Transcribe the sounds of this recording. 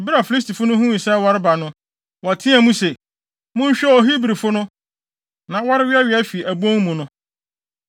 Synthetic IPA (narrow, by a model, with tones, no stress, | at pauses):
bɪ˦ɾa˨fi˨li˦s̬tʰi˨fʊ˦nʊ̃˦ɦũ˦ĩ˨sɛ˦wɔ˦ɾɪ˦ba˨nʊ̃˦ | wa˨tʰĩ˦a˨mũ˦se˨ | mʊ̃˦ɲ̩˦ɕᶣɛ˦ɔ˨ɦi˦bɾi˨fʊ˦nʊ̃˦ | nã˨wɔ˦ɾɪ˦ɥɪ˦ɛ˦ɥɪ˨˦æ˦fi˨ʔæ˨bõ˦ŋmũ˨nʊ̃˦